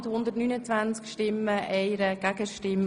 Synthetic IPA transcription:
t̪hʊnd̪ətnyːnət͡sʋænt͡skʃtɪmːəʔɛɪɾəɡ̥æɡ̥əʃtɪm

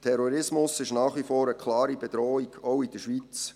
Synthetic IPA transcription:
tʰɛɾɔɾɪsmʊsɪʃnɑːχʋifoːɾəkʰlɑːɾib̥ed̥̪ɾɔːiɡ̥owid̥əʃʋit͡s

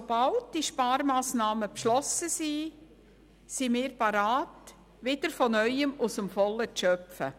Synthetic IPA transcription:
sob̥ɑlt̚d̥iʃpɑːɾmɑːsnɑːməpʃlɔsəsi | simɪːɾpɑɾɑːt | ʋɪd̥əɾfɔnœʏəmusəmfɔləʃœpfə̰

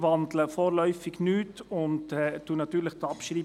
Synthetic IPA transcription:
ʋɑnd̪ləfoːɾlœʏfɪɡnyːtʊntɛtːuːnɑt̪yːʁləχtɑpʃʁɾiː

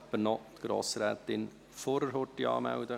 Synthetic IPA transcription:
pːənɔt̪ɡ̥ɾo̰ːsɾæːt̪ɪn | foɾəɾɦotːiɑ̰ːmæ̰wd̪ə

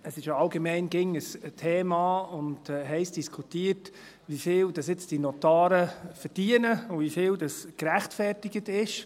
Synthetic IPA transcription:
əsɪʃjaɑlɡemɛɪnɡɪŋəstʰeːmɑːʊndɦɛɪst̚d̥iskʰutiːəɾt | ʋifɪːld̥ɑsɪt͡sd̥inɔtɑːɾəfəɾd̥iənəʊvifɪːldɑskɾæχtfɛrtɪɡətɪʃ

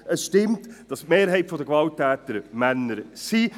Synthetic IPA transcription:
əsʃtɪmtd̥ɑsmeːɾɦɛɪtfɔdəɡvɑltːæːtəɾmænːəɾsi

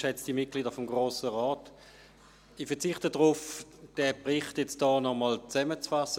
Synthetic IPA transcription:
ʃɛt͡sd̥imɪt̚ɡ̥liːdɐfɔmɡʁoːsəʁɔːt | ifɛɐt͡sɪχtədʁʊfd̥ɛpʁɪχtjɛt͡sd̥ɔːnɔmɔlt͡sɛmət͡sfasə

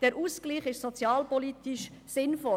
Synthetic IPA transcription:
d̥ɛɾʔuskliːχɪʃsɔt͡sjɑːlpɔlit̪iʃsɪnfɔ

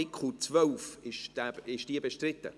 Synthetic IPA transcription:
ɪkχut͡svœlfɪʃd̥ɛɪʃd̥iəbeʃtrɪtːə̰

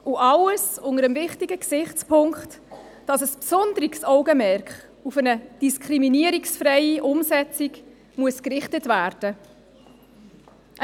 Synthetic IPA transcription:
ʔuʔɑləsʊŋəɾəmvɪχtiɡəksɪχt͡spʰʊŋkχt | d̥ɑsəspsɔndəɾiksɔʊɡəmɛɾkχ | ufənəd̥iskʰɾiminiəɾiksfɾɛɪiʔʊmsɛt͡siɡ | muəskrɪχtətvæːɾd̥ə

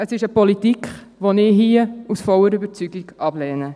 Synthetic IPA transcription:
əsɪʃəpɔlitikχ | ʋɔnɪːɦiəusfɔləɾybəɾt͡syɡiɡʔɑblɛːnə

